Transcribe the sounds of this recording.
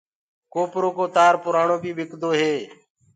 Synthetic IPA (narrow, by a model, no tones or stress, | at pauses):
koːpɾoːkoːt̪aːɾpʊɾaːɳoːbʱiːbɪkd̪oːɦeː